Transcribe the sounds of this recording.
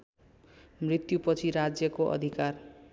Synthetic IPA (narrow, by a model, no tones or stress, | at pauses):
mrit̪jupʌt͡sʰiɾad͡zjʌkoʔʌ̰d̪ʱikar